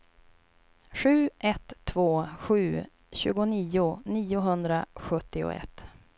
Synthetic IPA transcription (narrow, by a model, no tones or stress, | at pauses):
ɧʉ̟ːʔɛt̪ʰːvoːɧʉ̟ː | ɕʉ̟ːɡʊniːʊniːʊɦɵnd̪ɾaɧɵt̪ːɪʊ̰ɛ̰t̪ː